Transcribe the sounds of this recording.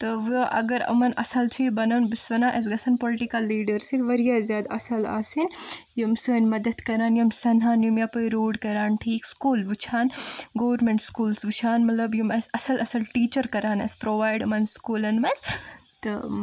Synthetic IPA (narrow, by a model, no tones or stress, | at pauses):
t̪ɨʋɨʔɐ̰ɡɐɾɐ̰mɐnɐ̰sɐlt͡ʃʰibɐnɐːnbɨsʋɐnaːʔɐs̬ɡɐsʰɐnpoliʈikɐlːiːɖɐɾsit̪ʋɐɾijaːzjaːd̪ɐsɐla̰ːsinjumsəːnʲmɐd̪ɐt̪kɐɾaːnjumsɐnɦaːnjumjapɨɾuːɖkɐɾaːnʈʰiːkskuːlʋɨt͡ʃʰaːnɡoːʋɐɾmeɳʈskuːlsʋɨt͡ʃʰaːnmɐt̪lɐbjumɐsɐsɐlʔɐsɐlʈiːt͡ʃɐɾkɐɾaːnɐ̰spɾoːʋaːjɖɐmɐnskuːlɐnmɐst̪ɨ